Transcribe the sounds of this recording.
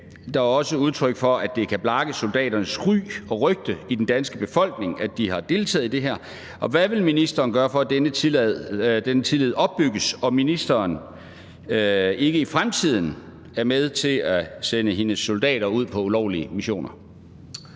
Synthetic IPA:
d̥ɑ̈æɒ̽səuð̞ˠt͡sʰʁœɡ̥fɒ̽ʔæd̥e̝kʰæb̥lɑ̈ɡ̥əsold̥ɛ̰ːɾɐnəsʁy̰ːɒ̽ʁœɡ̥̚d̥əid̥end̥ænsɡ̥əb̥e̝fɒ̽l̰ɡ̥̚ne̝ŋæd̥ihɑ̈d̥e̝ːlt͡sʰɛ̰ːðˠd̥e̝ɦæɐ̰ | ʔɒ̽ʋæʋe̝lminisd̥ɐːnɡ̥ɶːɐfɒ̽æd̥enə | d̥enət͡sʰilɛð̞̩̰ˠɒ̽b̥ːyɡ̥əsɒ̽minisd̥ɐːn | e̝ɡ̥əifʁamt͡sʰið̞̰ˠn̩ | æɐmeð̞ˠt͡sʰe̝læsenəɦe̝nəsːold̥ɛ̰ːɾ̥ɐuð̞̰ˠpʰɒ̽ulɒʊ̰liəmiɕo̝̰ːnʔɐ

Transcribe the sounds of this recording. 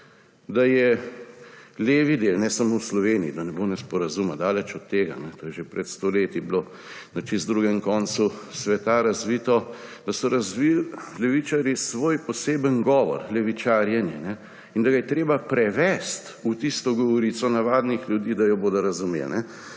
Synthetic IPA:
d̪ajɛ | leːʋid̪elnɛsamowslɔʋeːniid̪anɛbonɛspɔɾazumad̪aːlɛt͡ʃɔt̪ːeːɡa̰nɛt̪oːjɛʒepɾɛt̪st̪oleːt̪iblo | nat͡ʃizd̪ɾuːɡɛmkɔnsusʋɛt̪aɾazʋiːt̪ɔd̪ɐsɔɾɐzʋillɛʋit͡ʃaɾjisʋoːjpɔseːbənɡɔːʋɔ̰ɾlɛʋit͡ʃaːɾjɛnjɛnɛ | ind̪ɐɡajɛt̪ɾeːbapɾɛʋɛst̪ut̪ist̪ɔɡɔʋɔɾit̪sɔnaʋaːd̪nixlʲjud̪iːd̪ajɔboːd̪ɔɾɐzumḛlnɛ

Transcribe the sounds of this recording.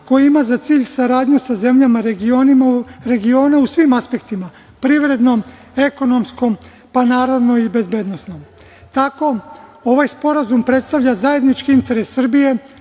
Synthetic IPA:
ko̞jiimazat̪siːʎsaɾaːd̪ɲusaze̞mʎamaɾeɡionimɾe̞ɡio̞ːnausʋimaspe̞kt̪ima | pɾiʋɾe̞d̪no̞m | e̞ko̞no̞msko̞m | panaːɾod̪no̞ibe̞zbe̞ːd̪no̞sno̞m | t̪ako̞o̞ʋajspo̞ɾazumpɾe̞t̪st̪aʋʎazaje̞d̪nit͡ʃkiint̪e̞ɾesːr̩bije̞

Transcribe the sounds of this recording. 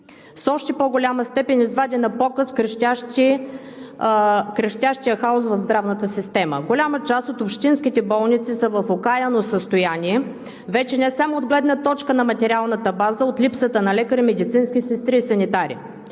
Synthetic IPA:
fsɔʃt̪ɛpoɡolʲaməst̪ɛpɛnʲizvad̪inɐpɔkəskɾʃʲaʃi | kɾɐʃt̪ʲaʃt̪ijəxaosvəvzd̪ɾavnət̪əsist̪ɛmə̰ɡolʲamət͡ʃasot̪opʃt̪inskʲit̪ɛbɔlˠnit̪sisəvəfokajənosəst̪ojanʲiɛ | vɛt͡ʃɛnɛsamoːd̪ɡlɛd̪nət̪ɔt͡ʃkənɐmɐt̪ɛɾʲialˠnət̪əbazəot̪lʲipsət̪ənɐlɛkəɾimɛd̪it̪sinskʲisɛst̪ɾiːsɐnit̪aɾḭ

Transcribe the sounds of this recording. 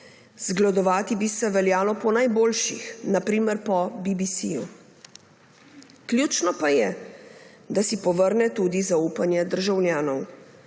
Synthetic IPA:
z̥ɡlad̪ɔʋaːt̪ibisɛʋɛljaːlɔpɔnajboːlʃixnapɾiːmɛɾpɔbibisiju | klʲjuːt͡ʃnɔpajɛ | d̪asipɔʋəɾnɛt̪ud̪izauːpanjɛd̪əɾʒawljaːnɔw

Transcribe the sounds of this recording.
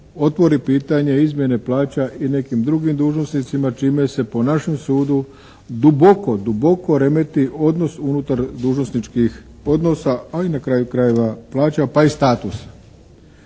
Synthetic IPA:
o̞t̪ʋo̞ɾipiːt̪aɲe̞izmje̞ne̞plaːt͡ɕaʔine̞kimd̪ɾuɡimd̪uːʒno̞snit̪simat͡ʃiːme̞se̞po̞naʃe̞msuːd̪u | d̪ubo̞ko̞d̪ubo̞ko̞ɾe̞me̞t̪iʔo̞d̪no̞sunut̪aɾd̪uːʒnosnit͡ʃkix | o̞d̪no̞saainakɾaːjukɾaje̞ʋaplˠaːt͡ɕapaist̪aːt̪usḁ

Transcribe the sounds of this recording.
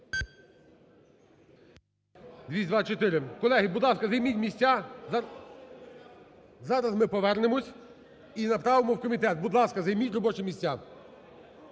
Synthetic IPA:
d̪ʲʋʲisʲd̪ʋat͡ʃɔt̪ɪɾɪkɔlˠɛɦibʊd̪lˠɑskɐzɐjmʲitʲmʲisʲtʲːa | zɑɾɐzmɪpɔʋɛɾnɪmɔsʲ | inɐpɾɑʋɪmɔwkɔmʲit̪ɛt̪̚bʊd̪lˠɑskɐzɐjmʲitʲɾɔbɔt͡ʃɪmʲisʲtʲːa

